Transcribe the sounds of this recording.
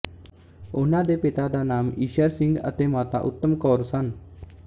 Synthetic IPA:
ʊnãːd̪eːpɪt̪ad̪aːnaːmiːʃəɾsɪ̃ŋɡə̰t̪eːmaːt̪a̰ʔʊ̰t̪ːəmkɔːɾsən

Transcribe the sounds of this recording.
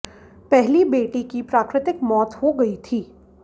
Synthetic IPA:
pɛɦlibeːʈikipɾaːkɾɪt̪ɪkmɔːt̪ɦoɡɐit̪ʰiː

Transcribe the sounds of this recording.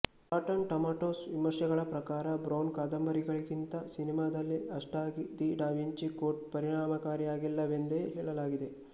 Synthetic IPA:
paːʈɐnʈɐmaːʈoːsʋimɐɾʃɐɡɐɭɐpɾɐkaːɾɐbɾoːnkaːd̪ɐmbɐɾiɡɐɭiɡint̪ɐsinimaːd̪ɐlːiʔɐʂʈaːɡid̪iːɖaːʋiɲt͡ʃikoːʈ̚pɐɾiɳaːmɐkaːɾijaːɡilːɐʋe̞nd̪eːɦɛːɭɐlaːɡid̪e̞

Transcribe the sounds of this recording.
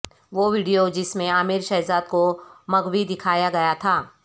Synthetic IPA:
ʋoːʋiːɖijod͡ʒɪsmẽaːmɪɾʃɛːzaːd̪komɐɡwid̪ɪkʰaːjaɡɐjat̪ʰaː

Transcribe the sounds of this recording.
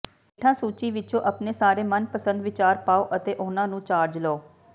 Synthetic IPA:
eʈʰãːsuːt͡ʃiːʋɪt͡ʃõːʔəpneːsaːɾeːmənpəsə̃nd̪ʋɪt͡ʃaːɾpaːoːʔət̪eːʔʊnãːnũːt͡ʃaːɾd͡ʒloː

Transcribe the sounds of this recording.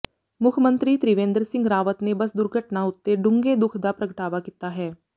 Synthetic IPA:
mʊkʰmə̃nt̪ɾiːt̪ɾiʋẽːnd̪əɾsɪ̃ŋɡɾaːʋət̪nebəsd̪ʊɾɡʱəʈnaʊt̪ːeɖʊ̃ŋɡed̪ʊkʰd̪aːpɾəɡəʈaːʋakit̪aːɦɛː

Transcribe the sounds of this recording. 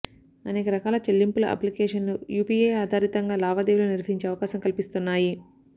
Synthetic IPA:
ɐneːkɐɾɐkaːlɐt͡ʃelːimpulɐʔɐ̰plikeːʂɐnujuːpiːeːaːd̪ʱaːɾit̪ɐŋɡaːlaːʋad̪eʋuloːniɾʋɐɦiɲt͡ʃeːɐʋɐkaːsɐmkɐlipist̪unːaːji

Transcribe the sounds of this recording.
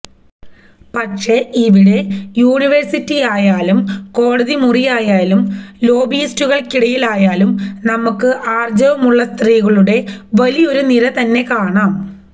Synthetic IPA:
pɐtʂe̞ːiʋiɽe̞juːɳiʋɐrsitːijaːjaːlumko̞ːɽɐðimurijaːjaːlumlo̞ːbijːstuɣɐɭkiɽɐjilaːjaːlumnɐmukːɨʔaːrd͡ʑɐʋɐmuɭːɐst̪riːɣɐɭuɽe̞ʋɐlijo̞ɾuniɾɐt̪ɐnːe̞kaːɳaːm

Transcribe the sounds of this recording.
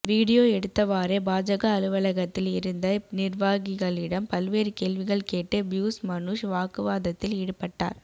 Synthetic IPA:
ʋiːɽɪjoːɛɽɯt̪ːɐʋaːɾeːbaːd͡ʒɐɣɐːlɯʋɐlɐɣɐt̪ːɪlɪɾɯnd̪ɐnɪrʋaːɣɪɣɐɭɪɽɐmpɐlʋeːɾkeːlʋɪɣɐɭkeːʈːɯbjuːsmɐnʊʂʋaːkɯʋaːðɐt̪ːɪlɛɽɯpːɐʈːa̰ːɾ

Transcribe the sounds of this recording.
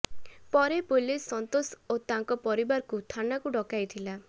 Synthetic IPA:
pɔɾepolesɔnt̪osot̪aŋkɔpɔɾibaɾkut̪ʰanakuɖɔkajt̪ʰila

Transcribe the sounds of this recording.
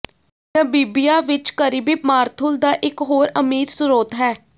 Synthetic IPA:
jãːbiːbijaːʋɪt͡ʃkəɾiːbiːmaːɾt̪ʰʊld̪aːʔɪkɦoːɾəmiːɾsʊɾoːt̪ɦɛː

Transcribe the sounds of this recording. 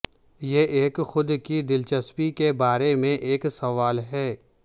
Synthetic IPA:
jeʔeːkxʊd̪kid̪ɪlt͡ʃəspikebaːɾemẽʔeːksɐʋaːlɦɛː

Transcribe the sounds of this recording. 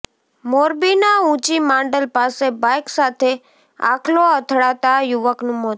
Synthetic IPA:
moɾbinaũt͡ʃimãɳɖəlpasebajksat̪ʰe | a̰kʰloət̪ʰɽat̪ajuʋəknũːmo

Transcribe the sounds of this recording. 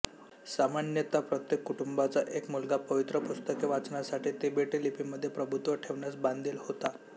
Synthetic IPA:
samanjət̪apɾət̪jekːuʈumbat͡saʔekmulɡapəʋit̪ɾəpust̪əkeʋat͡sɳasaʈiːt̪ebeʈelipiməd̪ʱːjepɾəbʱut̪ʋəʈʰeʋɳjat͡sband̪ʱiːlhot̪a

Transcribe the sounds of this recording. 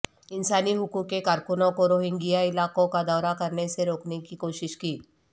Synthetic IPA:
ɪnsaːniɦʊkukːekaːɾkʊnõkoɾoːɦɪ̃ŋɡijaɪlaːkõkad̪ɔːɾakɐɾneseɾoːknekikoːʃɪʃkiː

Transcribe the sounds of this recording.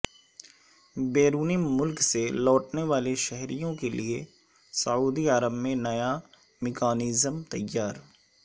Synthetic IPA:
beːɾuːnimʊlkselɔːʈneʋaːleʃɛɦɾijõkelie | sɐuːd̪iaːɾəbmẽnɐja | mɪkaːniːzəmt̪ɐjaːɾ

